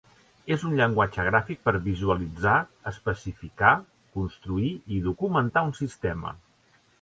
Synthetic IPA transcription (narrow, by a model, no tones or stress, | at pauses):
ezunʎəŋɡwad͡ʒəɣ̞ɾafik̚pəɾβizuəlid͡zaəspəsifika | kunst̪ɾuiiðukumənt̪aunsist̪ɛmə̰